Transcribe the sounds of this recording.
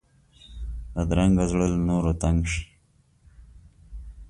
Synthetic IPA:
ad̪ɾaŋɡazɽəlnoːɾot̪aŋɡʂi̥

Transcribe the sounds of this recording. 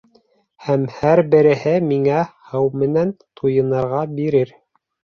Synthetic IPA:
hæmhæɾbɘ̆ɾɘ̆hɘmiŋæhɤwmɘ̆nænt̪ʰujɤ̆nɤ̆ɾʁɑbiɾɘɾ

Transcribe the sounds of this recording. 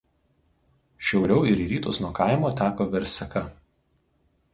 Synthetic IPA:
ʃʲɛʊɾʲɛʊɪɾiːɾʲiːt̪oːsnuɔkɑˑɪmoːt̪ʲæːkoːʋʲɛɾʲsʲɐkɐ

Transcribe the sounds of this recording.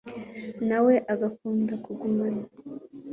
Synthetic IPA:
nawe̞ʔaɡakuːndakuɡumaɲa

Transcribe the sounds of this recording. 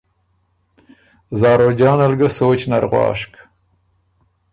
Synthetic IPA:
zɑːɾod͡ʒɑːnalɡəsoːt͡ʃnaɾɣwɑ̰ːʂk

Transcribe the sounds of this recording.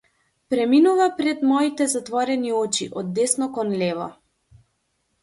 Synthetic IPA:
pɾɛminuvapɾɛt̪mɔit̪ɛzat̪vɔɾɛniɔt͡ʃiʔɔd̪ːɛsnɔkɔnlɛvɔ̰

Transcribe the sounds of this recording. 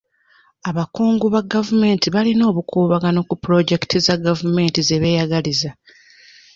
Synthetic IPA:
aβakuːŋɡuβaɡavume̞ːntiβalino̞ːβukʰuːβaɡano̞kupuɾo̞ɟe̞ki̥tʰizaɡavume̞ntizeβe̞ːjaɡaliza

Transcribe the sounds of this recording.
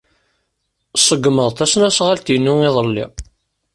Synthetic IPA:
sˤəɡməðˤt̪æsnæsʁalt̪ijnːuiðˤəlːḭ

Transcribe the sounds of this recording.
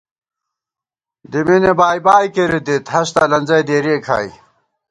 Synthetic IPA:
d̪iminebaːjbaːjkeɾid̪it̪ɦɐɕt̪ɐlɐnzɐjd̪eːɾeːkʰa̰ːj

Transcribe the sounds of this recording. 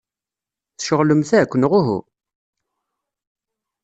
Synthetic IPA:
θʃəʁləmθækʷːnʁʊɦṵ

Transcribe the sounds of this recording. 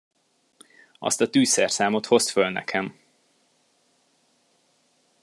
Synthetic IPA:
ɒ̰st̪ɒt̪yːsɛrsaːmo̞t̪ho̞sfølnɛ̰kʰɛm

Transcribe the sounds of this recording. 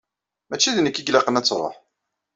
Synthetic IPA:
mæt͡ʃːiðnəkːiɡlɑqənæt͡sːɾˤo̰ħ

